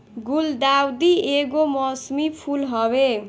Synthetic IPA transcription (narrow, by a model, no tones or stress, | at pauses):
ɡuld̪awd̪ieɡomʌsmipʰulɦʌbe